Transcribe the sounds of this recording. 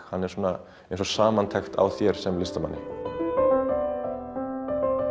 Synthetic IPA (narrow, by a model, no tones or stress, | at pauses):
hanːɛɾ̥suːna | ẽjnsɔsaːmant̪ʰajxt̪ʰa̰wθjɛɾ̥sɛmlɪst̪ama̰nːɪ̰